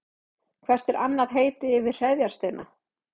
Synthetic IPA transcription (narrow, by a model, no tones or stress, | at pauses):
kʰvɛr̥t̪ɛɾʔa̰nːaðɦeːjt̪ɪɪvɪð̥r̥ɛðjaɾ̥st̪ejnʔa